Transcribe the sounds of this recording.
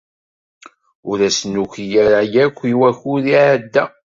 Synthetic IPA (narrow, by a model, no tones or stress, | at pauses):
ʊɾæsnuçijæɾajækʷːiwæçʊðiʕəd̪ːæ